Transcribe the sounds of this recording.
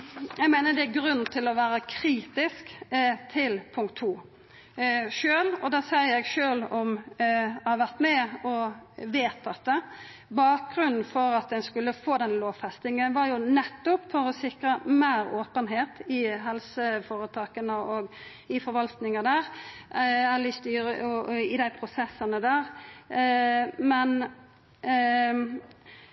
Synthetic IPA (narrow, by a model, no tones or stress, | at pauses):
jɛɡmæɪnəd̪ɛæɡɾʉnːt̪ʰɪlɔʋæːɾəkʰɾiːt̪ɪskt̪ʰɪlpʰʊŋkt̪ʰːuː | ʃøːlɔd̪ɑsejɛɡʃøːlɔm | hɑʋæʁt̪mɛɔʋeːt̪ʰɑt̪̚d̪ɛ | bɑːk̚ɡɾʉnn̩fɔɾɑt̪̚d̪ɛnskʉlːəfoːd̪ɛnloːʋfɛst̪ɪŋənʋɑɾjʊnɛt̪ːʊpfɔɾɔsɪkɾəmeːɾoːpənɦeːt̪ɪɦɛlsəfoɾət̪ʰɑːkənəɔɡ | ɪfɔɾʋɑlt̪nɪŋəd̪æːɾ | ɛlɪst̪yːɾəɪd̪æɪpʰɾʊsɛsːənəd̪æːʁ | mɛn